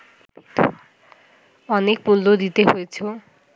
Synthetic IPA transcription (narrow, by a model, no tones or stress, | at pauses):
ɔnek̚puld̪od̪it̪eɦojet͡sʰo